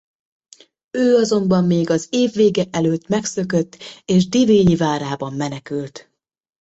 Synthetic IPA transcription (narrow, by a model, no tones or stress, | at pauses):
øːɒzo̞mbɒmːeːɡɒzeːvːeːɡɛʔɛløːt̪ːmɛksøkøt̪ːeːʒd̪iveːɲivaːɾaːbɒmːɛnɛkylt̪